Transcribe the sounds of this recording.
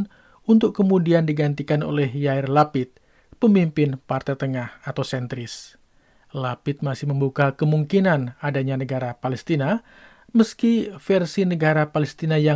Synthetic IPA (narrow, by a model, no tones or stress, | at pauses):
n | unt̪ʊkːəmudiandiɡant̪ikano̰lɛɦjaɪrlapɪt̪̚ | pəmimpɪnpart̪at̪əŋahat̪awsɛnt̪ɾɪs | lapɪt̪̚masɪhməmbukakəmuŋkinanadaɲanəɡaɾapalɛst̪ina | məskifɛrsinəɡaɾapalɛst̪inaja